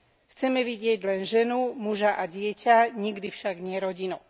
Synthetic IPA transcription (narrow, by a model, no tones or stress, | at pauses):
xt͡sɛmɛʋiɟɪɛɟlɛnʒɛnumuʒaʔaɟɪɛcʰaɲiɡd̪ifʃaɡɲɪɛɾɔɟinu